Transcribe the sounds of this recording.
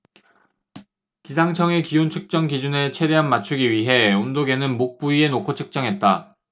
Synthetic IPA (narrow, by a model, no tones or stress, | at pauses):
kisʰaŋt͡ɕʰʌŋe̞kiont͡ɕʰɯk̚t͡ɕ͈ʌŋɡid͡ʑunet͡ɕʰe̞ɾe̞ɦanmat͡ɕʰuɡiɥiɦe̞ondoɡe̞nɯnmok̚p͈uie̞nokʰot͡ɕʰɯ̥k̚t͡ɕ͈ʌŋɦe̞t̚t͈a